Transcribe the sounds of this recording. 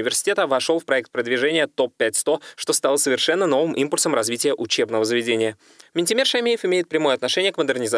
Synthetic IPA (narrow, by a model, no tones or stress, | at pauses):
ɪvʲɪrsʲɪ̥tʲet̪əvɐʂolˠfpɾɐɛkt̪̚pɾəd̪vʲɪʐɛnʲɪjət̪o̞pːʲætʲst̪o̞ʂt̪o̞st̪ɑlˠsəvʲɪrʂɛnːəno̞vɨmʔimpʊlʲsəmrɐzvʲitʲɪjəʔʊt͡ɕebnəvəzəvʲɪdʲenʲɪjə | mʲɪnʲtʲɪmʲerʂɐmʲejɪfɪmʲejɪt̪̚pɾʲɪmo̞jəɐt̪nɐʂɛnʲɪjəkməd̪ɨrnʲɪza